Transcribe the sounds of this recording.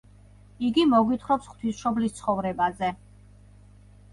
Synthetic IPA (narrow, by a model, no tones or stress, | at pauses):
iɡimɔɡwit̪ʰχɾɔpsχt̪ʰwisʃɔblist̪sʰχɔvɾɛbazɛ